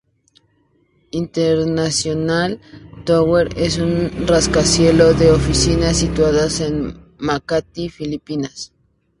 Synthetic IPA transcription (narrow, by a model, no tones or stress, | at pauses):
int̪eɾnasjonalt̪oweɾesunraskasjeloðeofisinasit̪waðasen | makat̪ifilipinas